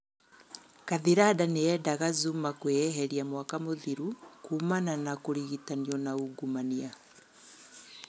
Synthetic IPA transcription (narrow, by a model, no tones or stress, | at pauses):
kaðiɾadaneɛːdaɣazumakweɛɦɛɾiamwakamoðiɾukuːmananakoɾiɣitaniɔnauɡumania